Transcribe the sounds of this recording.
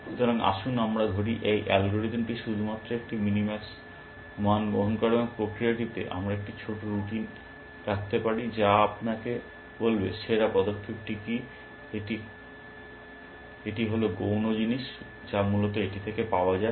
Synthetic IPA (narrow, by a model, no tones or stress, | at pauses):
ʃot̪ʰɾaŋa̰ʃunamɾad̪ʱoɾiʔejʔɛlɡoɾid̪mʈiʃud̪ʱumat̪ːɾoek̚ʈiminimɛs | mɦanɡoɦonkaɾeboŋpɾokɾiaʈ̬it̪ḛʔa̰mɾaek̚ʈit͡ɕʰoʈoɾuʈin | ɾak̚ʰt̪epaɽid͡ʑaapnake | bolbeʃeɾapɔd̪okʰːeb̚ʈiki | eʈi | eʈiɦoloɡownod͡ʑiniʃ | d͡ʑamulot̪oeʈit̪ʰekepaoad͡ʑae